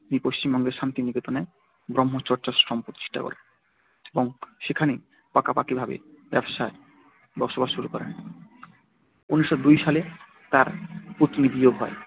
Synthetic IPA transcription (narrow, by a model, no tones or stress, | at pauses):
mipoʃt͡ɕimbɔŋɡeɾʃant̪iniket̪one | ɡɾɔmɦot͡ɕɔɾt͡ɕasɾɔmpot̪t͡ɕi̥ʃʈa̰kɔ̰ɾḛn | eboŋʃekʰane | pakapakibʱabḛbɛbʃae | bɔɾʃobaʃʃuɾukɔɾḛn | unːiʃːod̪ujʃale | t̪aɾput̪ːnid̪iobʱɔe